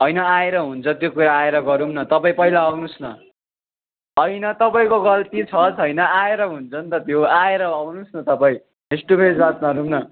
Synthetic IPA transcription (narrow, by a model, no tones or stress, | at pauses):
ɦʌjnʌaeɾʌɦunt͡sʰʌt̪jokuɾaːeɾʌɡʌɾumnʌt̪ʌpaĩpʌɦilaawnusnʌ | ɦʌjnʌt̪ʌpaĩkoɡʌlt̪it͡sʰʌt͡sʌjnʌaeɾʌɦunt͡sʰʌnt̪ʌt̪joaeɾʌawnusnʌt̪ʌpaĩ | esʈupʰed͡zbat̪̚mʌɾumnʌ